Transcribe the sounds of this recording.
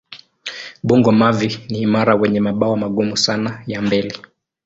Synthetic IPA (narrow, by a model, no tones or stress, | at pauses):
ɓuŋɡɔmaviniːmaɾawɛɲɛmaɓawɔmaɠumusanajambɛli